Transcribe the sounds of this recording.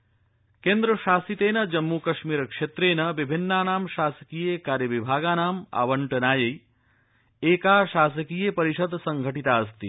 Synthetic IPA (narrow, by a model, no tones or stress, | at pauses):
keːnd̪ɾɐʃaːsit̪eːnɐd͡ʒɐmːukɐʃmiːɾɐkʂeːt̪ɾeːnɐʋibʱinːaːnaːmʃaːsɐ̥kijekaːɾjɐʋibʱaːɡaːnaːma̰ʋɐɳʈɐnaːjɐj | eːkaːʃaːsɐkijepɐɾiʃɐd̪ʱsɐŋɡʱɐʈit̪aːɐst̪i